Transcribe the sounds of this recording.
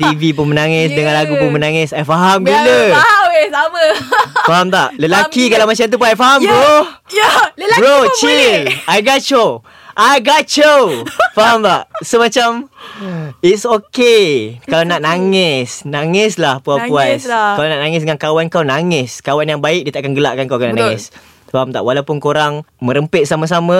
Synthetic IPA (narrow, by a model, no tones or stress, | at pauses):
t̪ivip̬ʊnmənãŋɪsdəŋãnlaɡupʊŋmənãŋɪsajfaɦamkuləsaməfaɦamt̪a̰ʔləlakikalawmãt͡ʃamt̪̬up̬unajfaɦamɡo | ɾot͡ʃilajɡat͡ʃo | ʔajɡat͡ʃofaɦamt̪aʔsəmãt͡ʃam | itsokekalawnaʔnaŋɪsnaŋɪslahpuapuaskalanaʔnaŋɪs̬dəŋankawankawnaŋɪskawanjaŋbaɪk̚diət̪aʔakanɡəla̰ʔkankawkanaʔnaŋɪs | faɦamt̪aʔwalawpʊnkoɾaŋmə̃ɾəmpɪt̪̚samas̬amã